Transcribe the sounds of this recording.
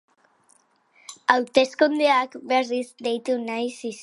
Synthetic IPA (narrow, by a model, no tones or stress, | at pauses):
awt̪eskond̪eakbɛsisd̪ejt̪unajsis